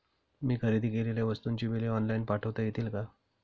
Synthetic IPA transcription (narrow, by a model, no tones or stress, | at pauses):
miːkʰəɾed̪ʱiːkeleljaʋəst̪uːnt͡ɕiːbileɔnlainpaʈʰəʋt̪əjet̪iːlka